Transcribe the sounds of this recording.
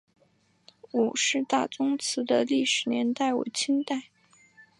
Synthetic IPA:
wɔ˨˩ʂɻ̩˥˧t̪a˥˩t͡sʊ˥ŋt͡sʰɹ̩˧˥d̪ə˧li˥˩ʂɻ̩˨˩njɛ˧˥nt̪a˥˩ɪwɔ̰˨˩t͡ɕʰi˥nt̪a˥˩ɪ

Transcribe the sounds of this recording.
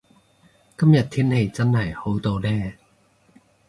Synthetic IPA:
kɐ˥mjɐ˨˩t̚t̪ʰiː˥nhe˧jt͡sɐ˥nhɐ˨˩jho˨˥wt̪o˧wlɛː˥

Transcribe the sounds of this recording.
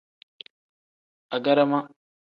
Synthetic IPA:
a˨ɡɐ˦ɾa˦ma˦

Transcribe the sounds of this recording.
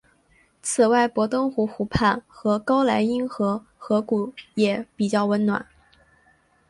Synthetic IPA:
t͡sʰɹ̩˨˩wa˥˩ɪpwɔ˧˥t̪ɤ˥ŋxu˧˥xu˧˥pʰa˥˩nxɤ˧˥kɑ˥ʊla˧˥ɪi˥nxɤ˧˥ | xɤ˧˥ku˨˩jɛ˨˩˦pi˨˩t͡ɕjɑ˥˩ʊwə˧˥nnwa̰˨˩˦n

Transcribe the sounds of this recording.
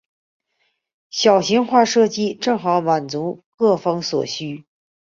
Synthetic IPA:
ɕjɑ˨˩ʊɕi˧˥ŋxwa˥˧ʂɤ˥˧t͡ɕi˥˧ʈ͡ʂɤ˥˩ŋxɑ˧˥ʊma˨˩nt͡su˧˥kɤ˥˩fɑ˥ŋswɔ̰˨˩ɕy˥

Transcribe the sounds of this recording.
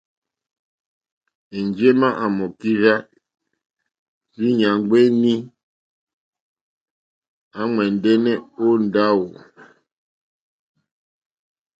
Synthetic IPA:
e˨n˨d͡ʒe˦ma˦ʔa˨mɔ˨ki˦ɣa˦ | zi˦ɲa˨ŋ˦ɡ͡be˦ni˦ | a˦ŋwɛ˨n˨de˦nɛ˦o˦n̩˨da˦wo˨

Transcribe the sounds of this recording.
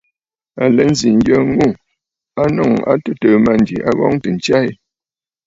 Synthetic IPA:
a˨lɛ˨˦n̩˦zi˨ŋ˦ɡjə˦ŋu˦˨ | a˦nɔ˦˨ŋa̰˦tu˦təː˨ma˦˨n˨d͡ʒi˨ʔa˦ɣɔ̰˦ŋ˦tə˨n̩˨t͡ʃa˦i˦

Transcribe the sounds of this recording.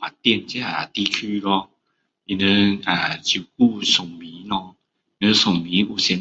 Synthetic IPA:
a˨˩t̪jɛ˥˧˨nt͡ɕja˦a˨t̪i˦kʰy˧˦lɔ˧ | i˧nə˧a˨˩t͡ɕu˨˩ku˥˧sɔ˨˩ŋmĩ˨˦nɔ̃˧˦˧ | nə̃˧˦sɔ˨˩ŋmĩ˨˦u˨˩ɕɛ˧˦

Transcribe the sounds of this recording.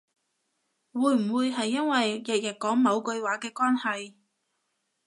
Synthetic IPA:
wuː˨˧˥jm̩˨˩wuː˨˧jɦɐ˨jːɐ˥nwɐ˨jːɪ˨k̚jɐ˨˩t̚kɔː˨˥ŋmɐ˨˧wkɵ˧ɥwaː˨˥kɛː˧kwaː˥nhɐ˨j

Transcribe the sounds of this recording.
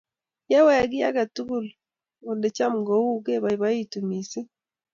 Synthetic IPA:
je˦wɛ˦˨ɡi˦a˦ɡa˨tu˦ɡu˦˨l | o˨nde˨t͡ʃa˦mɡo˨u˦ɡe˦βa˨βa˦i˦tu˨mi˨se˦

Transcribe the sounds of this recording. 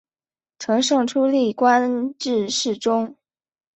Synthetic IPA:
ʈ͡ʂʰɤ˧˥ŋʂɤ˥˩ŋʈ͡ʂʰu˥li˥˩kwa˥nʈ͡ʂɻ̩˥˧ʂɻ̩˥˩ʈ͡ʂʊ˥ŋ

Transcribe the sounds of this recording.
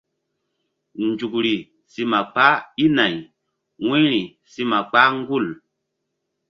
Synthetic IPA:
nd͡ʒu˨kɾi˨ | si˦ma˨k͡pa˦i˦na˨j | wĩ˦ɾi˨ | si˦ma˨k͡pa˦ŋ˦ɡu˦˨l

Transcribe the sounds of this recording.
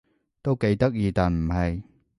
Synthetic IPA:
t̪o˥wke˧jt̪ɐ˥k̚jiː˨˧t̪aː˨˩nm̩˨˩hɐ˨j

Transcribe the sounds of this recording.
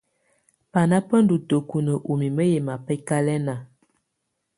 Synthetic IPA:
pa˨na˦pə˦n˦du˨to˨ku˨nə˨ʔu˨mi˨mə˦je˨ma˨pə˦ka˦lɛ˦na˨

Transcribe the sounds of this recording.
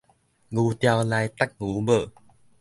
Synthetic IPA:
ŋu˧˦t̪ja˧wla˧jt̪a˦˥k̚ŋu˨˦bə˧˨

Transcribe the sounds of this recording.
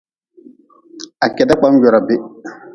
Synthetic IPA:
a˨kɛ˨da˦k͡pa˦m˦ɟɔ˨ɾa˨bɪ˦

